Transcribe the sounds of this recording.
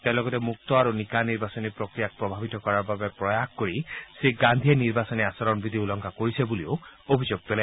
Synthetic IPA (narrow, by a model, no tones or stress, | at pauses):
telɔɡɔtemuk̚t̪ɔaɾunikaniɾbasɔnipɾokɾijak̚pɾɔbʱabit̪ɔkɔɾaɾbabepɾɔjakkoɹiseɡand̪ʱieniɾbasɔniasɔɾɔnbid̪ʱiulɔŋkʰakoɹisebulioobʱid͡ʒoɡ̚pela